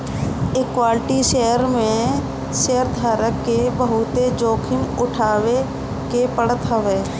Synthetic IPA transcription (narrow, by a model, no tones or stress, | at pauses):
ɪkːwaːlɪʈiʃejəɾmẽ | ʃejəɾd̪ʱaːɾəkːebəɦʊt̪ed͡ʒoːkʰɪmʊʈʰaːwe | kepəɽət̪ɦəʋeː